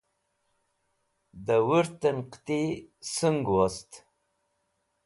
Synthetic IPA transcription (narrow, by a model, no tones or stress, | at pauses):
d̪əwuɾt̪ənqt̪isəŋɡwast̪